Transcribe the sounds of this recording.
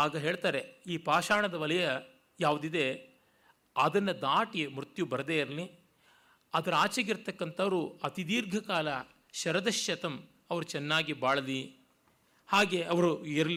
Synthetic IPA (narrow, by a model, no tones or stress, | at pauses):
aːɡɐɦeːɭt̪aːɾeiːpaːʃaːɳɐd̪ɐʋɐlɐjɐ | jaːʋud̪id̪e̞ | ɐd̪ɐnːɐd̪aːʈimɾut̪jubɐɾd̪eːiɾɐli | ɐd̪ɐɾaːt͡ʃɐɡiɾt̪ɐkːɐnt̪ɐʋɐɾuɐt̪id̪iːɾɡʱɐkaːlɐ | ʃɐɾɐd̪ɐʃjɐt̪ɐm | ɐʋɐɾut͡ʃɛnːaːɡibaːɭɐli | haːɡeɐʋɐɾuiɾɐli